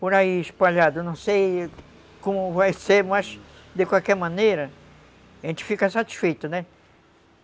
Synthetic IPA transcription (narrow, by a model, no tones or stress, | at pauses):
poɾaiɪʃpaʎad̪ʊnɐ̃w̃sej | kõmʊvajseɾmɐz | d̪ekwawkɛɾmɐ̃nejɾɐ | ʒẽnt͡ʃ̪ɪ̥fikɐsat͡ʃ̪i̥sfejt̪ʊnɛ